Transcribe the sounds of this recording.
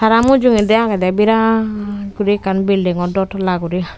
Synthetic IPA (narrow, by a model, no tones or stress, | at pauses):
saɾamud͡ʒuŋid̪ɛakad̪ɛbiɾa | ɡuɾikanbildiŋɔdɔtlaɡuɾi